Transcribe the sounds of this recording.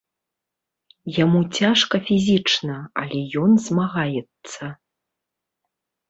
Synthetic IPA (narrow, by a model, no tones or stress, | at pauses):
jamut͡sʲaʂkɐfʲizʲit͡ʂnɐɐ̰lʲɛjɔnzmaɣajɛt̪sːɐ